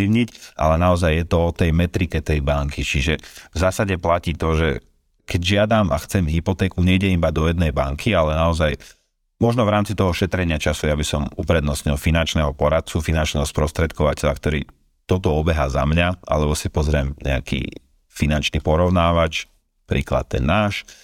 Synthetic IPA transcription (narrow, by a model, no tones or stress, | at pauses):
iʊɲicʔa̰lɛnaɔzajːjɛt̪ɔɔt̪ɛjmɛt̪ɾikɛt̪ɛjbaŋkit͡ʃiʒɛvzaːsaɟɛplaciːt̪ɔʒɛ | kɛɟʒɪad̪ama̰xt͡sɛmɦipɔt̪ɛːkuɲɛiɟɛibad̪ɔjɛd̪nɛjbaŋkʰialɛnaɔzaj | mɔʒnɔvɾaːmt͡sit̪ɔɦɔʃɛt̪ɾɛɲɪat͡ʃasujabisɔmupɾɛd̪nɔsɲilfinant͡ʃnɛɦɔpɔɾat̪̚t͡sufinant͡ʃnɛɦɔspɾɔst̪ɾɛt̪kʰɔʋacɛʎa̰kt̪ɔɾḭː | t̪ɔt̪ɔɔbɛɦaza̰mɲaʔa̰lɛbɔsipɔzɾɪɛmɲɛ̰a̰kʰḭː | finant͡ʃnipɔɾɔʊnaːʋat͡ʃ | pɾiːkla̰t̪̚ːɛ̰nːaːʃ